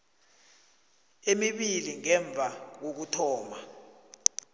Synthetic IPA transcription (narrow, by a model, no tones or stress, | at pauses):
emiɓiliŋɛɱb̪vʱak̬ok̬utʰɔːma